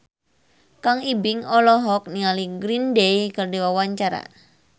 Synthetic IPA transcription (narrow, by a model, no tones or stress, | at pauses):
kaŋibɪŋɔlɔɦɔk̚niŋaliɡɾindejkərdiwawaɲt͡ʃaɾa̰